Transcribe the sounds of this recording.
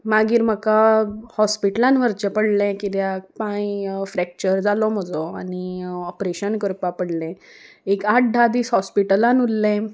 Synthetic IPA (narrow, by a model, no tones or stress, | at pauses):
maɡiːɾm̤əkahɔspiʈəlãnʋəɾt͡ɕəpəɽlɛ̃kit̪japãĩfɾɛk̚t͡ɕəɾd͡zalɔməd͡zɔa̰niɔpɾeɕənkəɾpapəɽlɛ̃ | ekaʈ̚ɖʱad̪iːsɦɔspiʈəlãnulːɛ̃